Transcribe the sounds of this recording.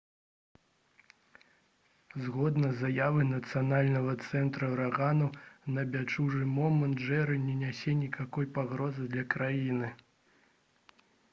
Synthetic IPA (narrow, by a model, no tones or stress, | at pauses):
zɣɔd̪nɐzajavɨnɐt̪sɨjanalʲnɐɣɐt̪sɛnt̪ɾɐwɾaɣanɐwnɐbʲat͡ʂuʐɨmɔmɐnd̪ʐɛɾɨnʲɛnʲasʲɛnʲikakɔjpaɣɾɔzɨd̪lʲɐkɾajinɨ